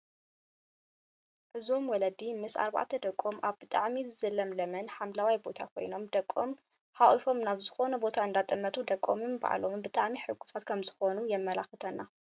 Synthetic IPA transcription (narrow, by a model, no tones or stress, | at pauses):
ʔɨzomwɔlɐd̪imɨsa̰ɾβa̰ʕt̪ʰɐd̪ɐkʼːomʔaβbɨt̪ʼaʕmizɨzɐlɐmlɐmɐnħamlawajbo̞t̪ʰakʰo̞̰jno̞md̪ɐkʼːom | ħaʔifo̞mnaβzɨxo̞nɐbo̞t̪ʰaɨnd̪at̪ʼɨmːɐt̪ʰud̪ɐkʼːo̰mɨmba̰ʕa̰lombɨt̪ʼaʕmiħɨɡːu̥sʰat̪kʰɐmzɨxo̞nujɛmːɐlaxɨt̪ʰɐnːa